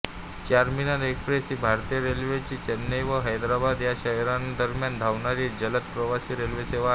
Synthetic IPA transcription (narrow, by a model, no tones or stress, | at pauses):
t͡ɕaɾminaɾekɾesiːbʱaɾt̪ijəɾelʋet͡ɕiːt͡ɕenːəjʋəɦəjd̪ɾabad̪jaɕəɦjɾand̪əɾmjand̪ʱaʋɳaɾiːd͡ʑələt̪̚pɾəʋasiːɾelʋeseʋa